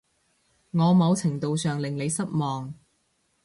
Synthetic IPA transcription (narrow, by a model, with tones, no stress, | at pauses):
ŋɔː˨˧mɐ˨˧wt͡sʰɪ˨˩ŋt̪o˨˧wsœː˨ŋlɪ˨ŋle˨˧jsɐ˥t̚mɔː˨˩ŋ